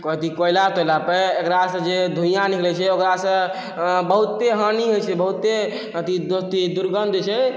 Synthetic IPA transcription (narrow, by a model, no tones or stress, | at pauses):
kɔt̪ikojlat̪ojlapeekɾasə̃d͡ʒed̪ʱũjãniklɛt͡ʃʰɛokɾasə̃ | bəɦut̪ːeɦəniɦojt͡ʃʰɛbəɦut̪ːe | t̪id̪ot̪id̪uɾɡənd̪ʱt͡ʃʰɛ